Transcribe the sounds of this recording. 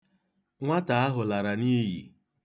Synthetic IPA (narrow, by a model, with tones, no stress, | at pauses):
ŋʷa˦ta˨a˦ɦʊ˨la˨ɾa˨ni˦ɦjḭ˨